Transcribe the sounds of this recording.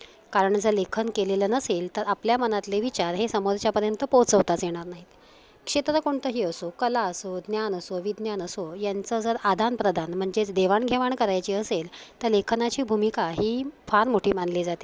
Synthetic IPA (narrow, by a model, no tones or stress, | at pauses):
kaɾəɳd͡zəlekʰənkelelənəselt̪əɾapljamənat̪leʋit͡ɕaɾɦesəmoɾt͡ɕjapəɾjənt̪əpot͡səʋt̪at͡sjeɽ̃aɾnaɦit̪ | kʂet̪ɾəkoɳt̪əɦiːəsokəlaəsod̪njanəsoʋid̪njanəsojant͡səd͡zəɾad̪ʱanpɾəd̪ʱanm̤əɳd͡zed̪eʋaɳɡʱeʋaɳkəɾajt͡ɕiːəselt̪əɾlekʰnat͡ɕiːbʱumikaɦiːfaɾmoʈʰiːmanled͡zat̪i̥